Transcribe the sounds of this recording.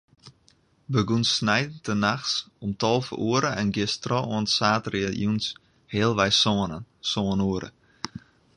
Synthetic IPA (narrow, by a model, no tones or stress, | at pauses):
bəɡunsnɛjdn̩tənaxsomtɔlˠfəʔuəɾəɛnɡɪstrɔʔɔəntsaːtrɪəlˠjuns | heəlˠʋɛjsonəsoənuəɾə̰